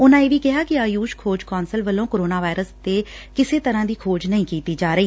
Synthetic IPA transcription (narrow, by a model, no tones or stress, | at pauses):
ʊnãːeːʋiːkɪɦaːkɪaːjuːʃkʰoːd͡ʒkɔːnsəlʋəlːõːkoɾoːnaːʋaːɪɾəst̪eːkɪseːt̪əɾãːd̪iːkʰoːd͡ʒnəĩːkiːt̪iːd͡ʒaːɾəiː